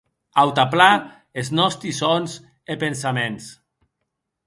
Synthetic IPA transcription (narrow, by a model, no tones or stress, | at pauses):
awt̪apla | eznɔst̪isonz | epensamẽns